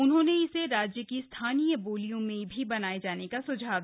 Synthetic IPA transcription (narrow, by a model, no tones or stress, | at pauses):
ʊnɦõneɪseɾaːd͡ʒjəkist̪ʰaːnijəboːlijõmẽbʱibɐnaːed͡ʒaːnekasʊd͡ʒʱaː